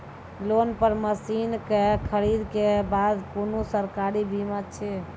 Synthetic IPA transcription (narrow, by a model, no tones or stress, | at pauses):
lonpəɾməsinkekʰəɾid̪kebad̪konosəɾkaɾibimat͡ʃʰɛ